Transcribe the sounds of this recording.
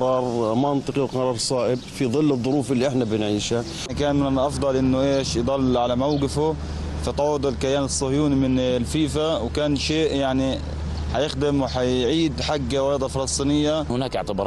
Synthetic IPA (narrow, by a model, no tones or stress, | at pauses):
qɾˤɑːɾˤmɑnt̪ˤɨqiwqɑɾˤɑːɾˤsˤɑːʔɪb̚fiðˤɨlːɨðˤːʊɾuːfɪlːiʔɪħnabɪnʕiːʃa | kaːnmɪnɪnʔɑfd̪ˤɑlʔɪnːʊʔeːʃjd̪ˤɑlːʕalamawɡɪfʊ | fɑt̪ˤɑʕoːd̪ˤɪlkajaːnɨsˤːʊhjuːnimɪnlfiːfawkaːnʃeːʔjaʕni | ħajɪxd̪ɪmwħajʕiːd̪ħaɡːawɑjd̪ˤɑfɑlɑsˤt̪ˤiːnɪjːahʊnaːkɪ̰ʕt̪ɪbɑɾˤ